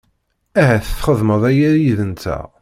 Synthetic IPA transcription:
æhæθəθχəðˤməðˤæjæɾjiðənt̪æ̰

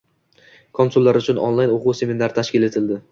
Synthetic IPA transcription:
kʰonsulˠːaɾʊt͡ʃʰʊnɔ̰nlˠajnoʁuse̞mʲinaɾt̪ʰaʃkʲɪle̞t̪ʰɪld̪ɪ

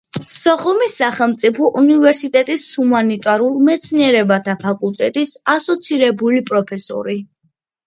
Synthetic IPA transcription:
sɔχumisːaχɛlˠmt̪sʼipʰɔʔunivɛɾsit̪ʼɛt̪ʼishumanit̪ʼaɾulˠmɛt̪sʰniɛɾɛbat̪ʰapʰakʼulˠt̪ʼɛt̪ʼisasɔt̪sʰiɾɛbulipʼɾɔpʰɛsɔ̰ɾi

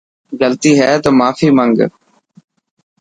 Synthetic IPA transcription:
ɡəlt̪iːɦɛːt̪oːmaːfiːmə̃ŋɡ

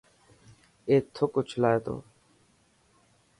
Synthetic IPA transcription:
eːt̪ʰːokoːt͡ʃʰlaːeːt̪o̰ː

